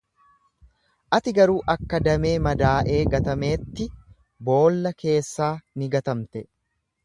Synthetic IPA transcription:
ʔɐt̪ɪɡɐɾuːʔɐkːɐd̪ɐme̞ːmɐd̪aːʔe̞ːɡɐt̪ɐme̞ːt̪ːɪ | bo̞ːlːɐkʰe̞ːsːaːnɪɡɐt̪ɐmt̪ɛ

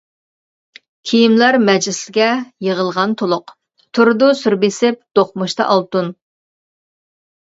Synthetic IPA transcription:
kʲʰijimlæɾmɛd͡ʒlɪslɪɡʲɛjəʁəlˠʁɑnt̪ʰolˠʊq | t̪ʰʊɾd̪ʊsyɾbesɪp̚d̪̥oχmuʃt̪ɑ̰ʔɑlˠt̪un

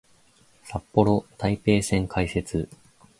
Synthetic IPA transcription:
sapːo̞ɾot̪aipe̞ːsẽ̞ŋkʰaise̞t͡sɨ

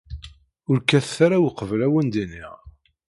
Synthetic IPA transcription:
ʊɾkæθθaɾawqəvlæwənd̪iniʁ

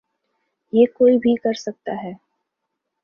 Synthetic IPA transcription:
jeːkoːibʱikɐɾsɐk̚t̪aɦɛː

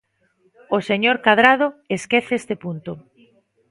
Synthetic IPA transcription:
oseɲoɾkaðɾað̞oeskeθest̪epunt̪ʊ

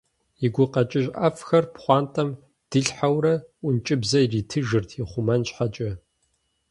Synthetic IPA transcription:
iɡʷʊqɐt͡ʃʼɪʑʼʔɐfxɐrpχʷɑːntʼɐm | d̥ɨɬħawrɐʔʷʊnt͡ʃʼɪbzɐjiriːtʰɨʒɨrtʰiχʷʊmɐnɕħat͡ʃʼɐ

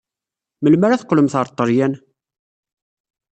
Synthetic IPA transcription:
məlmæɾæθə̥qːləmθəɾˤt̪ˤːəɾjæn

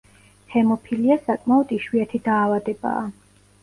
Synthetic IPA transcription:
hɛmɔpʰiliasakʼmaɔd̪̥iʃwiat̪ʰid̪aːvad̪ɛba̰ː

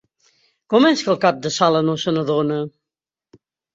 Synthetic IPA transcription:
kɔmɛskəlˠkap̚d̪əsalənosənəðonə

